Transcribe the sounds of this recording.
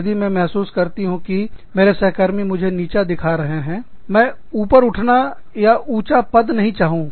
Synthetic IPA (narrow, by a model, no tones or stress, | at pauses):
d̪imẽmɛɦsuːskɐɾt̪iɦũkimeːɾesɛɦkəɾmẽmʊd͡ʒʱeniːt͡ʃad̪ɪkʰaɾɐɦeɦɛ̃ː | mɛ̃ː | uːpəɾʊʈʰna | jaʔuːt͡ʃapɐd̪nɐɦĩt͡ʃaːɦũː